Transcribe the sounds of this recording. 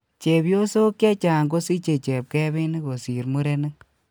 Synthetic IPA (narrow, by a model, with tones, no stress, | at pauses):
t͡ʃe˨pjo˦so˦kja˦t͡ʃa˨ŋɡo˦si˦t͡ʃe˨t͡ʃɛ˨p̚kɛ˦βɪ˦ni˦ko˨si˨ɾmu˦ɾe˦nɪ˦ŋ